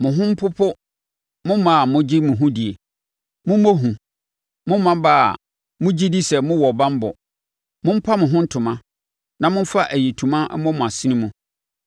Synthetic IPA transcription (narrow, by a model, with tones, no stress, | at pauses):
mʊ̃˨ɦʊ̃˦m̩˦pʰʊ˦pʰʊ˦ | mʊ̃˦mã˨mʊ̃˦d͡ʑi˦mʊ̃˨ɦũ˦di˨e˨ | mʊ̃˦mo˦ɦũ˨ | mʊ̃˦mmːã˦ba̰ː˦˨ | mʊ̃˦d͡ʑi˦di˦sɛ˨mʊ̃˦wɔ˨bã˦m˦bʊ̰˨ | mʊ̃˦m̩˦pʰa˦mʊ̃˨ɦʊ̃˦n̩˦tʰʊ˨mã˦ | nã˨mʊ̃˦m˦fa˦ʔæ˨ji˨tʰũ˨mã˦ʔɛ̰˦mɔ̃˦mʊ̃˨a˨sɪ̃˦nĩ˦mũ˨